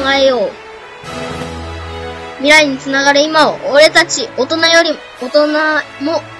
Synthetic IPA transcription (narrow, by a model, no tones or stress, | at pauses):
ŋaejo̞ː | mʲiɾaiɲ̟it͡sɨnaɡaɾɯ̟imaoːɾe̞t̪at͡ɕiot̪o̞najo̞ɾʲi | ot̪onamo